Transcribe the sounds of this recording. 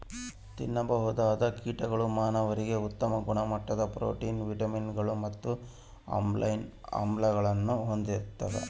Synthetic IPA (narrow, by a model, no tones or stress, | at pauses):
t̪ḭnːɐbɐɦud̪aːd̪ɐkiːʈɐɡɐɭumaːnɐʋɐɾiɡe̞ut̪ːɐmɐɡuɳɐmɐʈːɐd̪ɐpɾo̰ːʈiːnʋiʈɐminɡɐɭumɐt̪ːu | a̰ːmlɐjnɐ̰mblɐɡɐɭɐnːuɦo̞nd̪iɾt̪ːɐd̪ḛ